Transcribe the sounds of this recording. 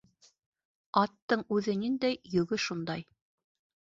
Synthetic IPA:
ɑt̪ːɤɴʉðɘnind̪æjjɵ̆ɡɘʃund̪ɑj

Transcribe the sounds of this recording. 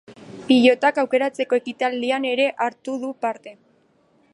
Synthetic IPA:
piʎo̞t̪akawke̞ɾat͡se̞ko̞e̞kit̪ald̪iane̞ɾe̞ʔaɾt̪uðupaɾt̪e̞

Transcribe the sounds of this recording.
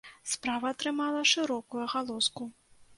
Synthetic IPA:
spɾavɐːt̪ɾɨmalˠɐʂɨɾɔkujuɣalˠɔsku

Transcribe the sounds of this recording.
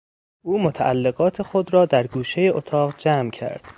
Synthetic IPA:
ʔuːmot̪ʰæʔælːe̞ɣɒːt̪ʰe̞xo̞d̪ɾɒːd̪æɾɡuːʃejeʔot̪ʰɒːɣd͡ʒæːmcʰæ̰ɾd̪̥

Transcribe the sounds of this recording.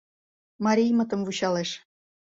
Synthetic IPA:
mɑɾʲijmə̆t̪ə̆mvut͡ɕɑleʃ

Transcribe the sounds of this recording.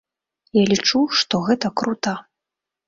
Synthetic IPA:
jalʲit͡ʂuʂt̪ɔɣɛt̪ɐkɾut̪a

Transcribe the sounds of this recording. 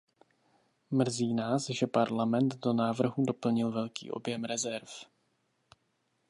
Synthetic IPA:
mr̩ziːnaːsʒɛpaɾlamɛnt̪do̞naːvr̩ɦudo̞pl̩ɲɪlvɛlkḭːʔo̞̰bjɛmɾɛzɛɾf

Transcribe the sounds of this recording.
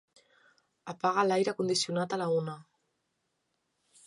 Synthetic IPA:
apaɣ̞alajɾəkund̪isiunat̪alaunə

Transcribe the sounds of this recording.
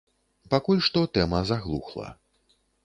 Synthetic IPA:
pakulʲʂt̪ɔt̪ɛmɐzaɣlˠṵxlˠɐ̰

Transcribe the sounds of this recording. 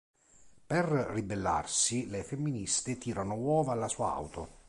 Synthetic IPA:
perrːibelːa̰rsilefemːinist̪et̪iːɾanowɔːvaːlːasuːa̰a̰wt̪o̰

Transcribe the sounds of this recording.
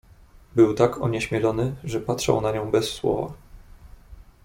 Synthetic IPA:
bɘwt̪akʰɔ̰ɲɛɕmʲjɛlɔnɘʐɛpatʂa̰wnaɲɔ̃w̃bɛsːwɔ̰va̰

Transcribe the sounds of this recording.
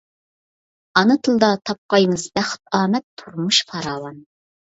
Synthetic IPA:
ɑnɨt̪ʰɨlˠd̪ɑt̪ʰɑp̚qɑjmɨzbæχt̪̚ɑːmɛt̪ʰːuɾmuʃpʰɑɾɑːwɑn

